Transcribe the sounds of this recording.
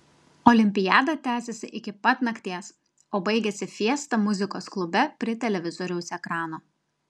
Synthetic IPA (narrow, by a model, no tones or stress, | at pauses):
ɔːlʲɪmʲpʲɪjæːd̪ɐt̪ʲæːsʲɛsʲɪʔɪkʲɪpɐt̪nɐkt̪ʲiɛs | oːbɐɪɡʲɛsʲɪfʲiɛst̪ɐmʊzʲɪkoːsklˠʊbʲɛpʲɾʲɪt̪ʲɛlʲɛʋʲɪzɔːɾʲɛʊsɛkɾɑːnoː